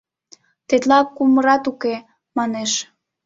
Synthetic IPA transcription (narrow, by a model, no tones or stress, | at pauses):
t̪et̪lɑkːuməɾɑt̪uke | mɑneʃ